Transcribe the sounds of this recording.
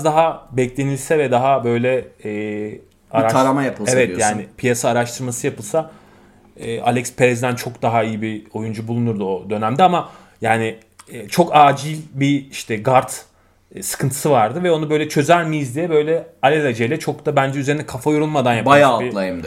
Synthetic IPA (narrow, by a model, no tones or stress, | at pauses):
zd̪aɦabɛclʲe̞nilʲsɛvɛd̪aɦabø̞jlʲɛː | aɾaʃaɾamajapʰɯlˠevɛtijjaːnɪpʰijasaːɾaʃt̪ʰɯɾmasɯjapɯlˠsa | ɛːʔa̰lʲɛkspʰeɾɛzd̪ænt͡ʃʰo̞kd̪aɦaijibio̞jund͡ʒubulˠunuɾd̪uo̞d̪ø̞næmd̪ɛama | jaːnɪː | t͡ʃʰo̞kaːd͡ʒilʲbiiʃt̪ʰɛɡaɾt̪ː | sɯ̥kʰɯnt̪ʰɯ̥sɯvaɾd̪ɯvɛonuabø̞jlʲɛt͡ʃʰø̞zælʲmijizd̪ijɛbø̞jlʲɛalʲɛlʲad͡ʒejlʲɛt͡ʃʰo̞kt̪abænd͡ʒɛyze̞ɾind̪ɛkʰafajoɾulˠmad̪anjabajaːltilˠajɯmd̪